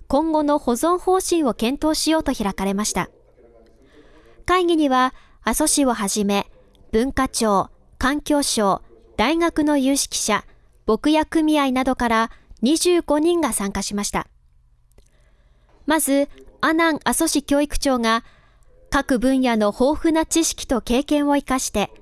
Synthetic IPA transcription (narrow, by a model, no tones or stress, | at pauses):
kõ̞ŋɡo̞no̞ho̞zõ̞ɰ̃ho̞ːɕĩɰ̃o̞kẽ̞nt̪o̞ːɕijo̞ːt̪o̞çiɾakaɾe̞maɕi̥t̪a̰ | kaiɡʲiɲ̟iβa | aso̞ɕiβo̞ɦaʑime̞ | b̥ɯ̟̃ŋkat͡ɕo̞ː | kãŋkʲo̞ːɕo̞ː | d̪̥aiŋakɯ̟no̞jɯːɕi̥kʲi̥ɕa | b̥o̞kɯ̟jakɯ̟mʲiainad̪o̞kaɾaɲ̟iʑɨːɡ̥o̞ɲ̟ĩŋɡasãŋkaɕimaɕi̥t̪a̰ | mazɨanãŋaso̞ɕikʲo̞ːikɯ̟̥t͡ɕo̞ːŋa | kakɯ̟bɯ̟̃ɰ̃jano̞ho̞ːɸɯ̟nat͡ɕiɕi̥kʲi̥t̪o̞ke̞ːkẽ̞ɰ̃o̞ikaɕi̥t̪e̞